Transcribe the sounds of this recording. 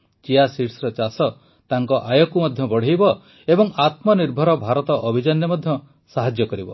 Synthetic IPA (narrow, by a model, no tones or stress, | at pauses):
t͡ʃiasiʈsɾɔt͡ʃasɔ | t̪aŋkɔʔajɔkumɔd̪ʱjɔbɔɽ̤ejbɔ | ebɔŋat̪mɔniɾbʱɔɾɔbʱaɾɔt̪ɔʔɔbʱid͡ʒanjɔmɔd̪ʱjɔ | saɦad͡ʒjɔkɔɾibɔ